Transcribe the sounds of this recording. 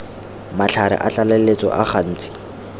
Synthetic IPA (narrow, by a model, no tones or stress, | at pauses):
mat͡ɬʰaɾɪ̰ʔat͡ɬalelet͡sɔ̰ʔaχan̩ːt͡sʼi̥